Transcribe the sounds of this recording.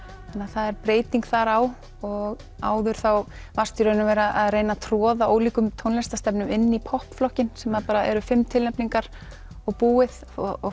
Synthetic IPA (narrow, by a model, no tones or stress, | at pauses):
anːaθaðɛɾpɾeːjt̪iŋkθaɾaw | ɔɣ | a̰ːwðʏɾ̥θaw | var̥st̪ʏɾœnavɛːɾaaðreːjnat̪ʰɾɔːðaoːwliːkʏmt̪ʰownlɛst̪ast̪ɛpnʏmɪnːipʰɔhpflɔhcɪnsɛmaðpaːɾaɛ̰ɾʏfɪmːt̪ʰɪlɛpniŋkaɾ̥ | ɔɣpuːɪð | ɔɔ